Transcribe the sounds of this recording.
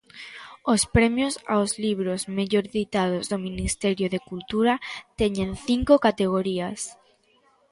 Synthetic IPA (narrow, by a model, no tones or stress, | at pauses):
ospɾemjosa̰ozliβ̞ɾozmeʎoɾðit̪að̞ozðominist̪eɾjoðekult̪uɾat̪eɲẽnθiŋkokat̪eɣ̞oɾias